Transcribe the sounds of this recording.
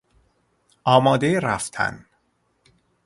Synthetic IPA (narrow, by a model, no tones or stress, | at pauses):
ɒːmɒːd̪eɾæft̪ʰæ̰n